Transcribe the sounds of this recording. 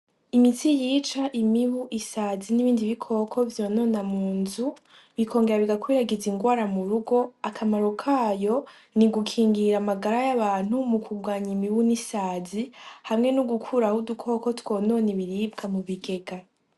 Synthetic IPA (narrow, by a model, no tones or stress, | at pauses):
imitijiːt͡ʃaʔimiβuʔisaːziniβiːndiβikʰo̞ːkʰo̞vjono̞ːnamuːnzu | βikʰo̞ːŋɡe̞ɾaβiɡakwiːɾaɡeziŋɡwaːɾamuɾuɡo̞akʰamaɾo̞kʰaːjo̞ | niɡukʰiːŋɡiɾamaɡaɾajaβaːn̥humukʰuɡwaːɲimiβunisaːzihamŋe̞nuɡukʰuɾahudukʰo̞ko̞two̞ːno̞ːneβiɾibɡamuβiɡe̞ɡa